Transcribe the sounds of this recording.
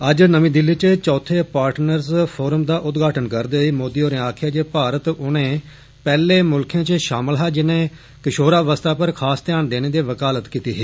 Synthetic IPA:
əd͡ʒnəʋĩːd̪ɪlːiːt͡ʃt͡ʃɔːt̪ʰeːpaːɾʈnəɾzpʰoːɾəmd̪aːʔʊt̪ɡaːʈənkəɾd̪eːiːmoːd̪iːoːɾẽːaːkʰɪjaːd͡ʒeːpaːɾət̪ʊnẽː | pɛːleːmʊlkʰjãːt͡ʃʃaːməlɦaːd͡ʒɪnẽː | kɪʃoːɾaːʋəst̪aːpəɾkʰaːst̪ɪjaːnd̪eːneːd̪eːʋəkaːlət̪kiːt̪iːɦeː

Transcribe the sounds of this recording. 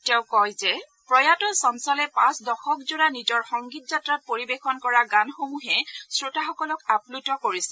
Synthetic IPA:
tɛʊ̃kɔjzɛ | pɹɔjatɔsɔnsalɛpãsdɔxɔkzuɹanid͡ʒɔɹxɔŋɡit̚zatɹat̚poɹibexɔnkɔɹaɡanxomuɦɛsɹotaxɔkɔlɔkaplutɔkoɹisɛ

